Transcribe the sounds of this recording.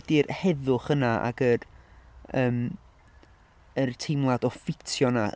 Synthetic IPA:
dirhɛðʊχənaa̰ɡər | əːm | ərtʰɪmlˠadɔfɪtʰjɔna

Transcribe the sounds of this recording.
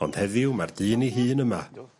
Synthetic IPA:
ɔnd̥hɛðɪwmardɨːniɦɨːnəma

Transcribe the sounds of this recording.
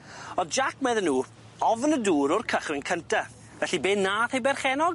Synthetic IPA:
ɔðd͡ʒakmɛðənːuː | ɔvnəduːɾɔrkʰəχwɪnkʰəntʰa | vɛɬibeːnaːθejbɛrχɛnɔɡ̥

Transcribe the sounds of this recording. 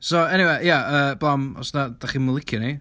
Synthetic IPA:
soɛniwejjaʔəːblˠamɔ̰snad̥aχiːmʊlˠɪkʰjɔni

